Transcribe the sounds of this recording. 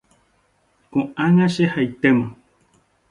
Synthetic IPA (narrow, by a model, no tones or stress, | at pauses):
kõãŋãʃehajt̪emã